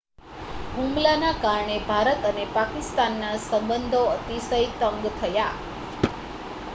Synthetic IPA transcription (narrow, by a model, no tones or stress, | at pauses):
ɦũmlanakaɾɳebʱaɾət̪ənepakist̪anːasəmbənd̪ʱoət̪isəjt̪ə̃ŋɡt̪ʰəja